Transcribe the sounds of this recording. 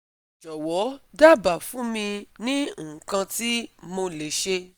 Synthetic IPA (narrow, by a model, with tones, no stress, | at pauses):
d͡ʒɔ˨wɔ˨˦da˦˨ba˨fũ˨˦mĩ˧nĩ˦ũ˦˨kã˧ti˦mo˧le˨ʃe˧